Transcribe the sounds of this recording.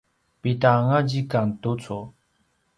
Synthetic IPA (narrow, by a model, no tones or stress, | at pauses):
pet̪aŋad͡ʑikant̪ot͡sʰo